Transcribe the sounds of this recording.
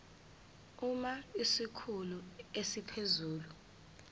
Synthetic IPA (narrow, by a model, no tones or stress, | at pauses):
umaisikʰuluesipʰezuːlu